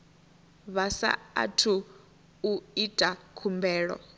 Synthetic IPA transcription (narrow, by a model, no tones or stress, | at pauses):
βasa̰ːtʰu | uitʼakʰumbɛːɺɔ̰